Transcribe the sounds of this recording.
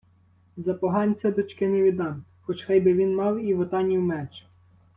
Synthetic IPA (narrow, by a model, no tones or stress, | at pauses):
zɐpɔɦɑnʲt͡sʲɐd̪ɔt͡ʃkɪnɪʋʲid̪ɑnxɔt͡ʃxɑjbɪʋʲinmɑwiʋɔt̪ɑnʲiwmɛt͡ʃ